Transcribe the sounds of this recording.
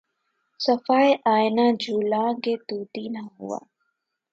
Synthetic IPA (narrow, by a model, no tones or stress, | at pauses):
səfaːeʔaːɪnaːd͡ʒʱuːlãːɡeːt̪uːt̪iːnaɦʊ̰wa̰ː